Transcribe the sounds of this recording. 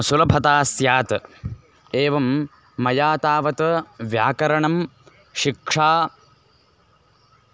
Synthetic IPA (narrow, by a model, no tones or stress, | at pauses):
sulɐbʱɐt̪aːsjaːt̪ɐ | eːʋɐmː | ɐjaːt̪aːʋɐt̪ɐʋjaːkɐɾɐɳɐm | ʃikʂaː